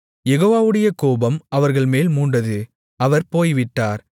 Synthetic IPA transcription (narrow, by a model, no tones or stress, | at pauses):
jɛɣoːʋaːʋɯɽɐjɐkoːbɐmɐʋɐɾɣɐɭmeːlmuːɳɖɐðɯ | ɐʋɐɾpoːjʋɪʈːaːɾ